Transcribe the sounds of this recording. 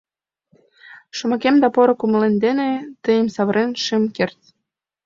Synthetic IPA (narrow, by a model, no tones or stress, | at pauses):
ʃŏmɑkemd̪ɑpoɾokuməlend̪enet̪əjəmsɑβɾenʃemkert̪